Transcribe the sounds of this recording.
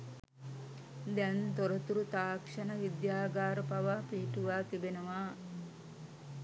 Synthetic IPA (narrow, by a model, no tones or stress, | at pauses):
d̪ɛnt̪oɾət̪uɾut̪aːkʂɐnəʋid̪jaːɡaːɾəpaʋaːpiːʈuʋaːt̪ibenəʋaː